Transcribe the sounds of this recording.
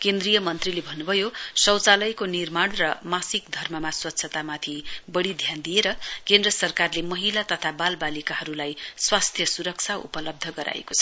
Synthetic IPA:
kend̪rijʌmʌnt̪rilebʱʌnːubʱʌjosʌwt͡salʌjkonirmaɳrʌmasikd̪ʱʌrmʌmaswʌt̪ːsʰʌt̪amat̪ʰibʌɽid̪ʱjand̪ijeɾʌkend̪rʌsʌrkarlemʌɦilat̪ʌt̪ʰabalbalikaɦʌɾulajswast̪ʰjʌsuɾʌk̚t͡sʰaṵpʌlʌb̚d̪ʱʌɡʌɾʔa̰ḛko̥t͡sʰʌ

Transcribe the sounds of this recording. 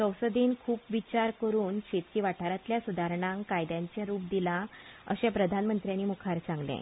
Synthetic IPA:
səwsəd̪inkʰuːpʋit͡ɕaɾkəɾuːnɕet̪kiːʋaʈʰaɾat̪ljasud̪ʱaɾɳãŋkajd̪jãɲt͡ɕjaɾuːp̚d̪ilaə̰ɕẽpɾəd̪ʱanmənt̪ɾjanːiːmukʰaɾt͡sãŋɡlḛ̃

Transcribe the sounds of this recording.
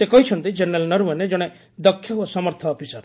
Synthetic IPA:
sekɔɦit͡ʃʰɔnt̪id͡ʒenɾelnɔɾuened͡ʒɔɽ̃e | d̪ɔkʰːjaɦuɔsɔmɔɾt̪ʰɔːpʰisaɾ

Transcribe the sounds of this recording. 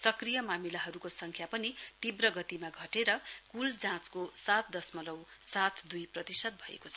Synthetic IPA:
sʌkrijʌmamilaɦʌɾukosʌŋkʰjapʌnit̪ibrʌɡʌt̪imaɡʱʌʈeɾʌkuld͡zãt͡skosat̪̚ʰd̪ʌsmʌlʌwsat̪ʰd̪ujprʌt̪isʌd̪̚bʱʌḛkot͡sʰʌ̥

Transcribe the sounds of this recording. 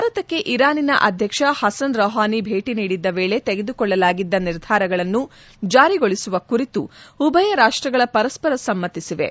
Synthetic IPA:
bʱaːɾɐt̪ɐkːe̞ʔiɾaːninɐ̰ʔɐd̪ʱjɐkʂɐhɐsɐnɾɔːɦaːnibʱe̞ːʈiniːɽid̪ːɐʋe̞ːɭe̞t̪eɡe̞d̪ukɔɭːɐlaːɡid̪ːɐniɾd̪ʱaːɾɐɡɐɭɐnːu | d͡ʒaːɾiɡoɭisuʋɐkuɾit̪uubʱɐjɐɾaːʂʈɾɐɡɐɭɐpɐɾɐspɐɾɐsɐmːɐt̪ːisiʋe̞̰

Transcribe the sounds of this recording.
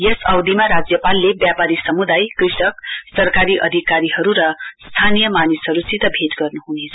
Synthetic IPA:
jesʌwd̪imaɾad͡zjʌpalːebjapaɾisʌmud̪ajkrisʌksʌrkaɾiʔʌ̰d̪ʱikaɾiɦʌɾuɾʌst̪ʰanijʌmanisɦʌɾut͡sit̪ʌbʱet̪ɡʌrnuɦunet͡sʰʌ

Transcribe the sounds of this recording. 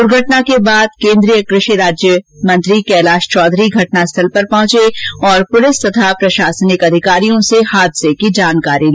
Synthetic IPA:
ʊɾɡʱɐʈnakebaːd̪̚kẽːnd̪ɾijəkɾɪʃiɾaːd͡ʒjəmɐ̃nt̪ɾikɛːlaːʃt͡ʃɔːd̪ʱɾiɡʱɐʈnast̪ʰɐlpɐɾpɐ̃ɦʊ̃t͡ʃeɔːɾpʊlɪst̪ɐt̪ʰapɾɐʃaːsənɪkɐd̪ʱɪkaːɾijõsehaːd̪sekid͡ʒaːnkaːɾil

